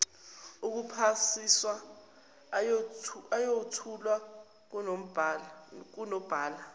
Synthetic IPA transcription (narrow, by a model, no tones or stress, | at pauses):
uk̬upʰasiswa | ajotʰulwa | k̬unom̩bʱ | k̬unɔb̥ʱaːla